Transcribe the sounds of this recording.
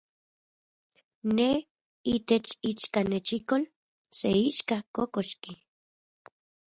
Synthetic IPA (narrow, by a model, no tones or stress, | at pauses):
ne | it̪et͡ʃit͡ʃkanet͡ʃikol | seiʃkakokoʃki